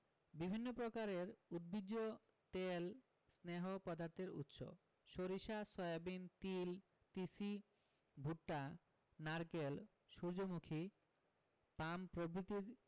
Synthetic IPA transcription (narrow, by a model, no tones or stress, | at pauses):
bibʱinːopɾokaɾeɾud̪̚biɡːo | t̪el | sneɦopɔd̪aɾt̪ʰeɾṵt̪ʃo̰ | ʃoɾiʃasɔjabint̪il | t̪isi | bʱuʈːa | naɾkel | ʃuɾd͡ʑomukʰi | pampɾobɾit̪iɾ